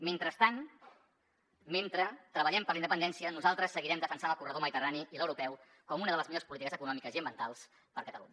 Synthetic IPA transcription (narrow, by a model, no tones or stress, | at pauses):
ment̪ɾəst̪an | ment̪ɾət̪ɾəβəʎɛmpərlˠind̪əpənd̪ɛnsiənuzalˠt̪ɾəsːəɣiɾɛmd̪əfənsanəlˠkurəðoməðit̪əraniʔiləwɾupɛw | kɔmunəðələzmiʎospulit̪ikəzəkunɔmikəziəmbiənt̪alˠs | pəɾkət̪əlṵɲə